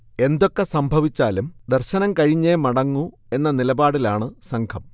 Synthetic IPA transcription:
e̞nd̪o̞kːe̞sɐmbʱɐʋit͡ɕːaːlumd̪ɐrɕɐnɐmkɐɻiɲːemɐɽɐŋːu | e̞nːɐnilɐbaːɽilaːɳɨsɐŋkʰɐm

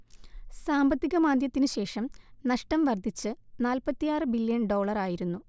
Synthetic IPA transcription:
saːmbɐt̪ːiɣɐmaːd̪jɐt̪ːinɨɕe̞ːʂɐmnɐʂʈɐmʋɐrd̪ʱit͡ɕːɨnaːlpɐt̪ːijaːrɨbilːjɐɳɖo̞ːɭɐraːjiɾunːu

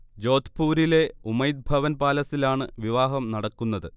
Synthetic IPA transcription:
d͡ʑo̞ːt̪puːɾile̞umɐjd̪̚bʱɐʋɐnbaːlɐsilaːɳɨʋiʋaːɦɐmnɐɽɐkːunːɐðɨ

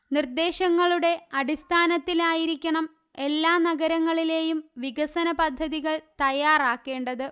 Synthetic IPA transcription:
nird̪e̞ːɕɐŋːɐɭuɽe̞ɐɽist̪ʰaːnɐt̪ːilaːjiɾikʲːɐɳɐm | e̞lːaːnɐɣɐɾɐŋːɐɭile̞ːjumʋiɡɐsɐnɐpɐd̪ʱːɐðiɣɐɭt̪ɐjːaːraːkːe̞ːɳɖɐðɨ

